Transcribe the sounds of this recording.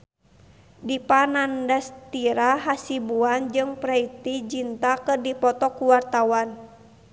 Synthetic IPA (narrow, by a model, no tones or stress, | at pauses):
dipanandast̪iɾaɦasibuand͡ʒɨŋpɾait̪id͡ʒint̪akɨrdipɔt̪ɔkuwart̪awan